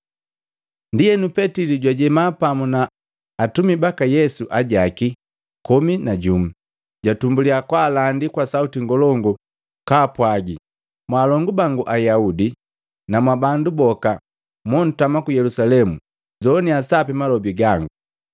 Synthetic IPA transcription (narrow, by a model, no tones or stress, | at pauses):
ndijɛnupɛtiliɟwaɟɛmapamunaː | tumibakajɛsuʔaɟaki | kɔminaɟum̩ | ɟatumbuliakwaːlandikwasautiŋɡɔlɔŋɡu | kaːpwaɡi | mwaːlɔŋɡubaŋɡuʔajaudi | namwabandubɔka | mɔn̩tamakujɛlusalɛmu | zɔniasapɛmalɔbiɡaŋɡu